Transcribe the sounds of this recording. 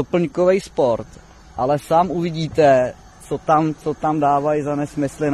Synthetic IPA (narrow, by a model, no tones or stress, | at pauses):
opl̩ɲkovɛjspo̞ɾt̪ | ʔalɛsaːmʔuvɪɟiːt̪ɛ | t͡sot̪amt͡sot̪amdaːvajizanɛsmɪslɪ